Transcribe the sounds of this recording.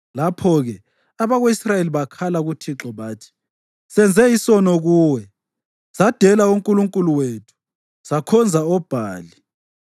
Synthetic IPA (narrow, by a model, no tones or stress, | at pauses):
lapʰɔɣɛ | aβaɣeisrajeliβakʰalaɣutʰiǁɔβaːtʰi̥ | sɛnd͡zʱɛisɔnɔɣuːwɛ | sad̥ʱɛlauŋkʼuluŋkʼuluwetʰu̥ | sakʰɔnd͡zʱaɔb̥ʱaːli